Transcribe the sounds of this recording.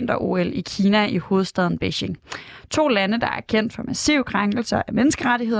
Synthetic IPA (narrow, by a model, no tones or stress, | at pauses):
n̰d̥ɐʔo̝elikʰiːnæiho̝ːð̞̩ˠsd̥ɛð̞ˠn̩b̥eɕe̝ŋt͡sʰo̝̰ːlænəd̥ɑ̈æ̰ɐkʰen̰d̥fɒ̽mæsiʊ̰kʰʁaŋɡ̥l̩sɐʔæmenəsɡ̥əʁaɾiɦe̝ðˠ